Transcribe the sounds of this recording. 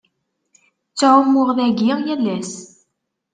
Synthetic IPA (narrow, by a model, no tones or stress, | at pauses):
t͡sːʕʊmːʊʁðæɡijælːæs